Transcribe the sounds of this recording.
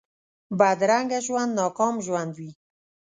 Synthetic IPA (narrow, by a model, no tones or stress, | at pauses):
bad̪ɾaŋɡaʒwand̪nɑkɑmʒwand̪wi